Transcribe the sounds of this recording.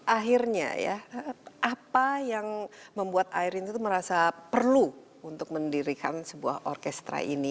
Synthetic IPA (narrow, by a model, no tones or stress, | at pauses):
ʔaɦirɲa̰ja̰ʔapajaŋməmbuat̪aiɾint̪ut̪uməɾasapərlu | unt̪ʊk̚məndiɾikansəbua̰hʔɔrkɛst̪ɾa̰ʔḭni